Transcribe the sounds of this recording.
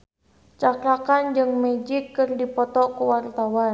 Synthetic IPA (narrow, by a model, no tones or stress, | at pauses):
t͡ʃaklakand͡ʒɨŋmɛd͡ʒikːɨrdipɔt̪ɔkuwart̪awan